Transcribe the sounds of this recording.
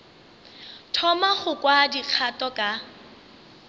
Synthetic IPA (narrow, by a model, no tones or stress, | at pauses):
tʰɔmaχʊkʼwadiq͡χʰatʼɔkʼa